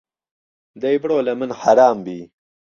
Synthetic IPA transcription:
d̪ɐjbɽoːlɐmənħaɾɑːmbiː

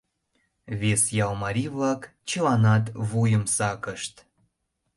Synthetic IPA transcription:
βesjɑlmɑɾʲiβlɑkt͡ɕəlɑnɑt̪βujəmsɑkəʃt̪

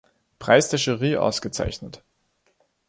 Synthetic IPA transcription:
pʁ̥aɪsd̥ʰɛʃəʁiːʔa̰ʊsɡ̥ət͡sa̰ɪçnət

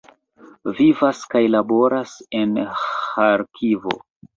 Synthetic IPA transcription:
vivaskajlabo̞ɾase̞nhaɾkʰivo̰

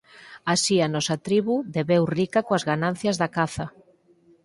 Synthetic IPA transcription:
asianɔsat̪ɾiβuðeβewrikakoazɣanãn̟θjɐzðakaθɐ

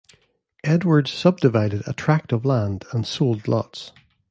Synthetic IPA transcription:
ʔɛdwə˞dsʌb̚dɪvaɪdɪdə̰tʰɹ̥ak̚təvlˠãndə̃nsolˠdˡlˠɔ̰ts

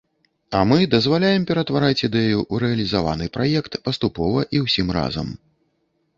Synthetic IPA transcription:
ɐmɨd̪ɐzvalʲajɛmpʲɛɾɐt̪vaɾat͡sʲid̪ɛjuʔːɾɛɐlʲizava̰nɨpɾajɛkt̪pɐst̪upɔvɐʔiwsʲimɾa̰zɐ̰m

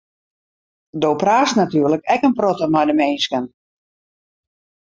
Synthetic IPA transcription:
dowpraːstnatyːrləkɛkənprotəmɔjdəmeːnskən

